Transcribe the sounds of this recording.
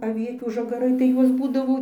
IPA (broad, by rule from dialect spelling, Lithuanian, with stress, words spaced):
ɐˈʋʲiɛtʲuː ʒɐˈɡɑːrɐɪ tɐɪ ˈjuɔs ˈbuːdɐʋoː